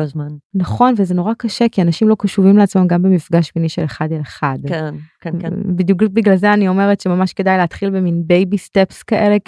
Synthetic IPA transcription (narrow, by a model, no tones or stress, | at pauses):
lozmannaχo̞nvezeno̞ʁakaʃekianaʃimlo̞kaʃuvimleat͡smamɡambemifɡaʃminiʃeleχadeleχadken | bid̪juk̚biɡlalzeanio̞me̞ʁetʃemamaʃke̞dajleat̪χilbeminbejbistepskaʔe̞le